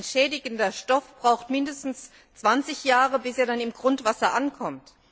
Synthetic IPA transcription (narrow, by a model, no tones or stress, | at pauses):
nʃɛːdɪɡəndɐʃtɔfb̥ʁaʊxtmɪndəstn̩s | t͡sv̥ant͡sɪçjaːʁəbɪseːɐdanɪmɡʁʊntv̥asɐʔankʰɔmt